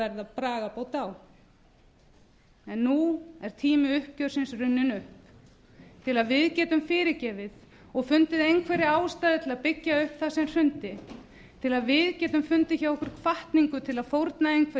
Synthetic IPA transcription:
ɛɾðapɾaːɣapawt̪aːw | ɛnːuɛɾ̥t̪ʰiːmɪʏhpcœɾ̥sɪnsrʏnːʏnʏhp | t̪ʰɪlaðvɪðcɛːt̪ʏmfɪːɾɪcɛːvɪð | ɔɣfʏnt̪ɪðejŋkʰvɛːɾɪaːwst̪aːðɪt̪ʰɪlaðpɪcːaʏhpθasɛmr̥ʏnt̪ɪ | t̪ʰɪlaðvɪðcɛːt̪ʏmfʏnt̪ɪçawɔhkʏɾ̥kʰvaht̪niŋkʏt̪ʰɪlaðfowɾt̪naejŋkʰɛ

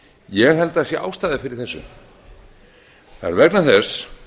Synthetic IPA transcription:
jɛɣɦɛlt̪asjɛʔa̰ːwst̪aːðɪfɪɾɪɾ̥θɛsːʏ̰ | θa̰ɛɾvɛknaθɛs

